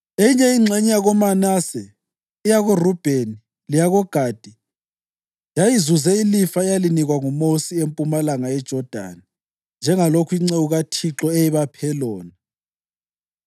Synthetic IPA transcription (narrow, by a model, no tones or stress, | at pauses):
eiɲɛiŋ͡ǀʱɛɲɛjaɣɔmanaːsɛː | jaɣurub̥ʱeni | lijaɣɔɡ̥ʱaːd̥ʱi | jajizuzɛilifaɛjaliniɣwaŋumosiempʼumalaŋaɛd̥ʒ̥ʱɔd̥ʱa̰ni | nd͡ʒʱɛŋalokʰuiŋ͡ǀɛuɣatʰiǁɔejiβapʰɛlɔːna